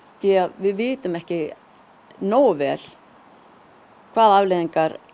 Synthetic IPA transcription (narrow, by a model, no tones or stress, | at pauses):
θɛavɪðvɪːt̪ʏmɛhcɪ | noːwvɛːl̥ | kʰv̥aːðavleðiŋkaɾ